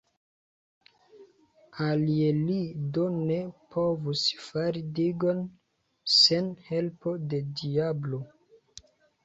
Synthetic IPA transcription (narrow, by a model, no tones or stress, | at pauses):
alielido̞ne̞pʰo̞vusfaɾidiɡo̞n | se̞nhe̞lpo̞de̞diablo̞